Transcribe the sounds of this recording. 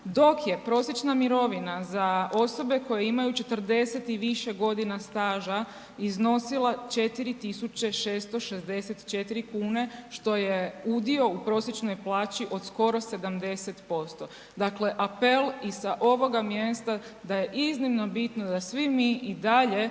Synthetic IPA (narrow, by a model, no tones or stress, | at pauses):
d̪o̞kje̞pɾo̞sjet͡ʃnamiɾo̞ʋinazao̞so̞be̞ko̞jeimajut͡ʃe̞t̪r̩d̪e̞set̪iʋiʃe̞ɡo̞d̪inast̪aːʒa | izno̞silˠat͡ʃe̞t̪iɾit̪isut͡ɕe̞ʃeːst̪o̞ʃe̞zd̪e̞set̪t͡ʃe̞t̪iɾikuːne̞ʃt̪o̞jeud̪io̞upɾo̞sjet͡ʃno̞jplˠaːt͡ɕiʔo̞d̪sko̞ɾo̞se̞d̪amd̪e̞set̪po̞st̪o̞ | d̪akle̞ʔape̞lisaʔo̞ʋo̞ɡamje̞st̪ad̪aje̞ʔiznimno̞bit̪nod̪asʋimiid̪aʎe̞